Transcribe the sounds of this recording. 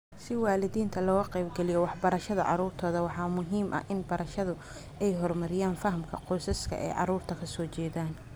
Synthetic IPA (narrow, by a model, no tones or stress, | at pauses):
sɪwɑːlɪðiːnt̪ʰɐlɔːɣɐqɛjbɡɛlɪjɔwɑħbɐɾɐʃɐðɐʕɑ̰ɾuːrt̪ʰɔːðɐwɑħɑːmʊɦiːmʔɐ̰ʔɪnbɐɾɐʃɐðʊ | ɛjɦɔrmɐɾɪjaːnfɐɦɐmkʰɐqɔːsɐskʰɐ̰ʔɛ̰jʕɑ̰ɾuːrt̪ʰɐkʰɐsɔːt͡ʃɛːðaːn